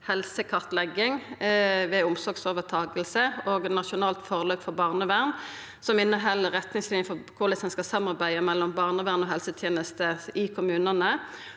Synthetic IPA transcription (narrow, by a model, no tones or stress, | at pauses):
hɛlsəkʰɑʁt̪lɛɡɪŋ | ʋɛʊmsɔɡsoːʋət̪ʰɑːɡəlsəoːɡnɑʃʊnɑːlt̪fɔʁløːpfɔbɑːʁnəʋæʁn | sɔmɪnːəɦɛlːəʁɛt̪nɪŋslɪnjəfɔkʰʊlɪsɛnskɑsɑmːɑʁbæɪəmɛlːɔmbɑːʁnəʋæːʁnɔːɦɛlsət̪ʰjeːnəst̪əɪkʰʊmʉːnɑnə